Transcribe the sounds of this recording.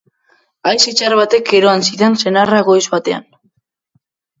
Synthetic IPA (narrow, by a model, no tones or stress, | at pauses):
ajsit͡ʃarβat̪eke̞ɾo̞ansiðense̞naraɣo̞jzβat̪e̞a̰n